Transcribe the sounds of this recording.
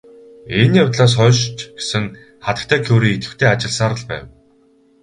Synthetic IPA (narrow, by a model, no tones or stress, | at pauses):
enjawt̪ɮaːs̬χɔːʃt͡ɕɡ̥e̥sɘ̆ŋ | χat̪ə̆k̚t̪ʰæːkʰoːɾiːit̪ɘ̆wt̪ʰeːat͡ɕɪ̆ɮsaːɾə̆ɮpæ̰ːw